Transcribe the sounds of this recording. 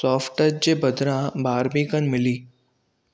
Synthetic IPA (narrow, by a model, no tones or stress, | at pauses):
sɔːfʈəd͡ʒd͡ʑebɐd̪ʱɾãbaːɾmiːkənmɪliː